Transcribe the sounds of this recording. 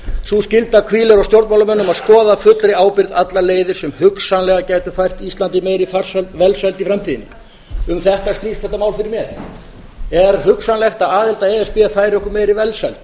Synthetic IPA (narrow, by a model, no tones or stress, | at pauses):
suscɪlt̪akʰviːlɛɾawst̪jowɾt̪mawlamɛnːʏmaðskɔːðafʏt̪lɾɪaːwpɪɾðat̪laleːjðɪɾ̥sɛmhʏksanlɛɣacaːjt̪ʏfajr̥t̪ist̪ant̪ɪmeːjɾifar̥sɛvɛlsɛlt̪ifɾɛmt̪ʰiːðɪnɪ | ʏmθɛht̪ast̪iːst̪θɛht̪ːamaːwlfɪɾɪɾmjɛð | ɛɾɦʏksanlɛxt̪aðaːðɪlt̪aɛɛspɪafajɾɪɔhkʏɾmɛjɾivɛlsɛlt̪̚